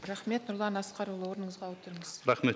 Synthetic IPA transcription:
ɾɑχme̞t̪nʊɾlˠɑnɑsqɑɾulˠəwo̞ɾnəɴəzʁɑwot̪əɾəɴəz̥ɾɑχme

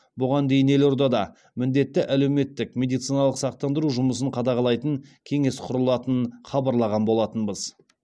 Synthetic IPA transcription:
bʊʁɑnd̪e̞jɪne̞lo̞ɾd̪ɑd̪ɑ | mɪnd̪e̞t̪ːɪʔæle̞wme̞t̪ːɪkmʲe̞d̪ijt̪sijnɑlˠəqsɑq̚t̪ɑnd̪əɾuʒʊməsəɴqʰɑd̪ɑʁɑlˠɑjt̪əŋkʲʰe̞ŋe̞sqʰʊɾəlˠɑt̪ənχɑbɑɾlˠɑʁɑnbo̞lˠɑt̪ənbəz

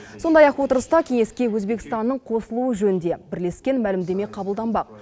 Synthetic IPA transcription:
so̞nd̪ɑjɑqwo̞t̪əɾəst̪ɑkʲʰeŋe̞skʲe̞wɵzbe̞kʲɪ̥st̪ɑnːəɴqʰo̞səlˠuəʒɵnɪnd̪e̞bɪɾle̞skʲe̞nmælɪmd̪e̞me̞qʰɑbəlˠd̪ɑnbɑq̚

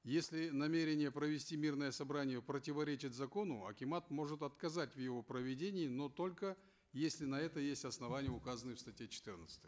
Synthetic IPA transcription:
jesʲlʲɪnɐmʲe̞ɾʲɪnʲɪjəpɾəvʲɪsʲtʲimʲirnəjəsɐbɾanʲɪjəpɾətʲɪvɐɾʲet͡ɕɪtʲzɐko̞nʊɐ̰kʲɪmat̪mo̞ʐɨt̪ɐt̪kɐzatʲvjɪvo̞pɾəvʲɪdʲenʲɪːno̞t̪o̞lʲkə | jesʲlʲɪnɐɛt̪əjesʲtʲɐsnɐvanʲɪjəʊkazənɨjfst̪ɐtʲjet͡ɕɪ̥t̪ɨrnət̪sɨ̥t̪əj

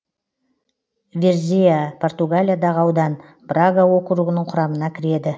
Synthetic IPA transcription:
vʲeɾzʲijapʰo̞rt̪uɡalʲijad̪ɑʁəɑwd̪ɑn | praɡawokəɾuɡʲɪnɪŋqʰʊɾɑmənɑkʲʰɪɾe̞d̪ɪ

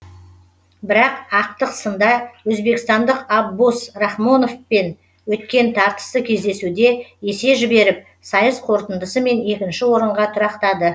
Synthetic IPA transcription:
bɪɾɑqɑq̚t̪əqsənd̪ɑwɵzbe̞kʲɪst̪ɑnd̪əqɑbːusrɑχmo̞no̞fpe̞n | wɵt̪kʲe̞nt̪ʰɑɾt̪ə̥səkʲʰe̞zd̪e̞sud̪e̞e̞se̞ʒɪbe̞ɾɪp̚ | sɑjəsqʰo̞ɾt̪ənd̪əsəme̞ne̞kʲɪnʃɪwo̞ɾəɴʁɑt̪ʰʊɾɑqt̪ɑd̪ə

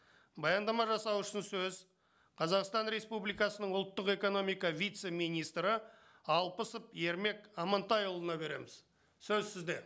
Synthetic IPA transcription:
bɑjɑnd̪ɑmɑʒɑsɑwʏʃɪnsɵz | qʰɑzɑqst̪ɑnɾe̞spublijkɑsənəɴʊlˠt̪ːəqe̞ko̞no̞mijkɑvʲijt̪se̞mijnijst̪ɾə | ɑlˠpəsəpje̞ɾme̞kɑmɑnt̪ɑjolˠənɑbe̞ɾe̞̰mɪz̥ | sɵzsɪzd̪e̞

